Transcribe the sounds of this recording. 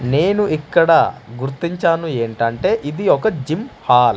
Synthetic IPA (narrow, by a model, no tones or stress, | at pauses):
ne̞ːnuʔikːɐɽɐɡuɾt̪ːiɲt͡ʃaːnue̞ːɳʈɐɳʈe̞ːʔid̪iɔkɐd͡ʒimhaːl